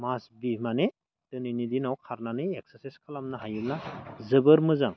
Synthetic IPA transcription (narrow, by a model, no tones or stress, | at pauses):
masbimane | d̥ɯninidinawkʰaɾnanɯek̚sesiskʰalamnaɦajɯlnazɯbɯɾmɯzaŋ